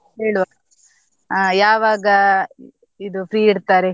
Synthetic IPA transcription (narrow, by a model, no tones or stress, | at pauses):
ɦeːɭuʋa | ajaːʋaːɡɐ | id̪upɾiːiɽt̪aːɾe